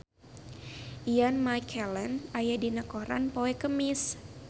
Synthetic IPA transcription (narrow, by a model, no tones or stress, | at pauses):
ianmajkʰɛlənajadinakoɾa̰npoɛkəmis